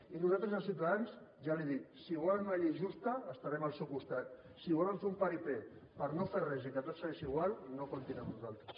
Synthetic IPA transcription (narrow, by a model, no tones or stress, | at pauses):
inuzalt̪ɾəzəlˠsiuwt̪aðansʒaliðit̪siɣalnaʎiʒust̪aːst̪aɾɛmalsewkust̪at̪̚ | siβoləmfeumpaɾipepəɾnoferrɛzikət̪ot̪səɣesiiɣ̞walnokunt̪inɛmnuzalˠt̪ɾəs